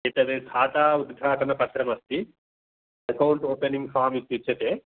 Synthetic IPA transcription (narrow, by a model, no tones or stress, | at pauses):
et̪ɐd̪ed̪ʰʱaːt̪aːud̪ɡʱaːʈɐnɐpɐtɾɐmɐst̪i | ɐkɐwuɳʈoːpeniŋɡfaːmit̪ːjut͡ʃːɐt̪eː